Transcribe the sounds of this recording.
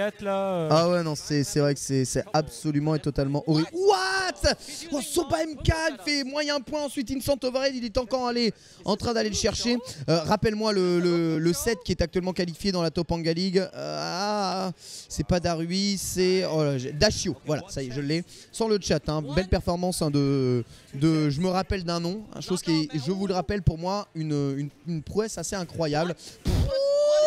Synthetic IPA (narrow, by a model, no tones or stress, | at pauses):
at̪laawɛnɔ̃sɛsɛvʁɛkə̥sɛsɛabsɔlymɑ̃et̪ɔt̪almɑ̃ʔɔʁibwat̪ɔ̃sɔ̃baɛmkaifɛmwãɛ̃pwɛ̃ɑ̃sɥit̪insɑ̃t̪ovaʁɛd̪ilɛt̪ɑ̃kɔʁale | ɑ̰̃t̪χɛ̃d̪aleləʃɛʁʃeøʁapɛlmwalələləsɛt̪̚kʲiɛt̪ak̚t̪ɥɛlmɑ̃kalifjed̪ɑ̃lat̪ɔpɑ̃ɡaliɡa | sɛpad̪aʁɥisɛɔaʒɛd̪aʃjovwala̰sajɛʒəlːɛ | sɑ̃lət͡ʃat̪ɛ̃bɛlpɛʁfɔʁmɑ̃sɛ̃d̪ə | d̪əʒəməʁapɛld̪ɛ̃nɔ̃ɛ̰̃ʃozkʲiɛʒəvuləʁapɛlpuʁmwaynøynynpχuɛsaseɛ̃kχwajablpu